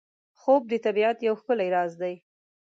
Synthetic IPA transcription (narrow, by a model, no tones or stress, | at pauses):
xob̚d̪ət̪abiat̪jawxkəlaiɾɑzd̪aj